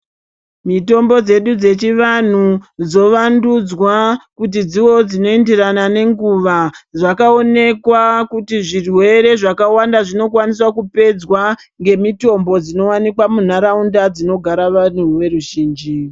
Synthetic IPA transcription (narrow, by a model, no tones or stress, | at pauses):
mito̞mbo̞d͡ze̞ɗud͡ze̞t͡ʃiʋan̤ud͡zo̞ʋandud͡zwakut̬id͡ziwo̞d͡zino̞endiranane̞ŋɡuʋaʐakao̞ne̞kwakutiʐirwe̞ɾe̞ʐakawandaʐino̞kwanis̬wakupe̞d͡zwa | ŋɡe̞mito̞mbo̞d͡zino̞wanikwamun̤aɾaundad͡zino̞ɡʱaɾaʋan̤uʋe̞ɾuʒiːnd͡ʒi